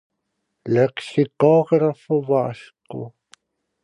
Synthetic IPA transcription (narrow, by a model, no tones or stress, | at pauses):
leqsikuːʁrafuvaːɬqo̰